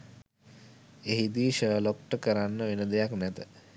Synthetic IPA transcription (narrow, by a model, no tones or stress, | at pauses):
eɦid̪iːʃəːlok̚ʈəkəɾanːəʋenəd̪ejaknɛt̪ə